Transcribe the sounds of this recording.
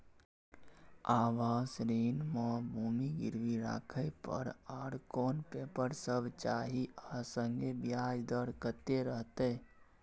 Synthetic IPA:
aːʋaːsɾiːnməbʱuːmiɡḭɾʋiɾa̰ːkʰəjpə̰ɾaɽkonpepəɾsəbt͡ʃaːɦiəsəŋɡebijad͡ʒd̪əɾkət̪eɾəɦt̪e

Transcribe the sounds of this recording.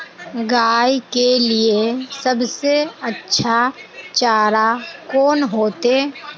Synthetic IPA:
ɡaːikeliesəbseətːʃʰat͡ʃaːɾakɔːnɦoːt̪eː

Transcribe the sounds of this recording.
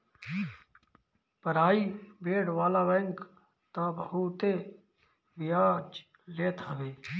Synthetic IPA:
pəɾaːiːbeːɽʋaːlaːʋɛ̃ːŋk | t̪ãːbəɦuːt̪eː | bɪjaːt͡ʃ | leːt̪ʰəʋeː

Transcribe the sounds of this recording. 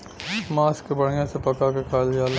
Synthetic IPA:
maːskebɐɽ̤ijãsepɐkakekʰaːljaːl

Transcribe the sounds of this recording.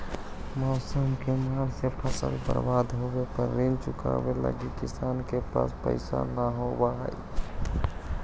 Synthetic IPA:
mɔːsəmkemaɾsepʰəsə̰lbə̰ɾbad̪ɦobepəɾːint͡ʃʊka̰belə̰ɡikisankepa̰spə̰ɪsa̰naɦobaɦə̰i

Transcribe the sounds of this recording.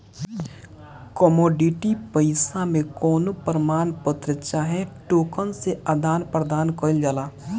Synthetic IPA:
kɔmɔːɖiʈipəɪsamẽkɔːnopəɾəmaːnpət̪ɾɪt͡ʃaɦɛ̃ʈoːkənsead̪aːnpɾəd̪aːnkɔɪld͡ʒaːlaː

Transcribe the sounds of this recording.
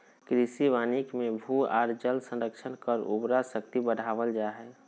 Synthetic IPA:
kɾisiʋaːnikmẽbʱua̰ːɾd͡ʒəlsə̃nɾəkʃʰənkəɾṵbɾasək̚t̪ibəɽʱaːʋəld͡ʒaːɦɛː

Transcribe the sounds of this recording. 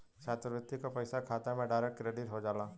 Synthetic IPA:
t͡ʃaːt̪ɾəʋɪt̪ːikapɐɪsakʰaːt̪amẽɖaːɾɛkkːɾeːɖɪʈɦod͡ʒaːlaː

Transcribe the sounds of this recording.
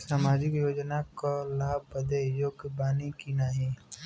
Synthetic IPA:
saːmaːd͡ʒɪkjoːd͡ʒnakolaːbəd̪ejoːɡbaːnikinaːɦiː

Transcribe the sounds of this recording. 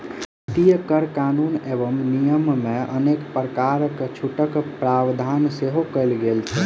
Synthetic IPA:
t̪ijəkəɾkanunebəmnijəmmẽənekpɾəkaɾəkt͡ʃʰuʈəkpɾabd̪ʱanseɦokəɪlɡelt͡ʃʰɛ

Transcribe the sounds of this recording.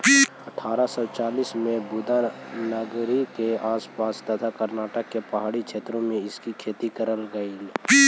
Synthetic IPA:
ɐʈʰːaːɾasɔt͡ʃaːliːsmẽbʊd̪anəɡɾikeaːspaːst̪ət̪ʰakəɾnaːʈəkːepɐɦaːɽikt͡ʃʰeːt̪ɾõmẽɪskikʰeːt̪ikəɾəlɡəil

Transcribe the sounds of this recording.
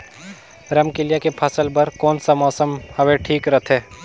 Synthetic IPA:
ɾɐmkɪlijakepʰɐsəlbɐɾkɔːnsamɔːsəmhɐʋeʈʰiːkɾɐt̪ʰeː

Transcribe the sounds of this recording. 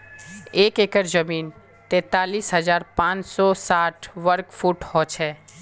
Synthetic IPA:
eːkeːkəɾd͡ʒəmiːn | t̪ɛ̃ːt̪aːliːsɦɐzaːɾpãːt͡ʃsɔsaːʈʰʋəɾkfʰuːʈhɔːt͡ʃʰɛː

